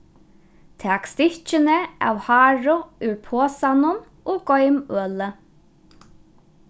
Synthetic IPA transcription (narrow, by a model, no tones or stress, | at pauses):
t̪ʰɛːkst̪ɪht͡ʃɪnəa̰ːwhaːɹʊʉɹpʰoːsanʊn | ɔːɡɔjmøːlə